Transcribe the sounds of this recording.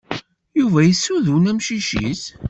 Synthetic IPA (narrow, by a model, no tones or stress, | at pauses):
juvæjəsːuðunæmʃiʃḭs